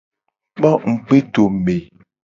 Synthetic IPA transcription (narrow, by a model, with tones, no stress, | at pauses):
k͡pɔ˦ŋ̩˨k͡pe˦to˨me˨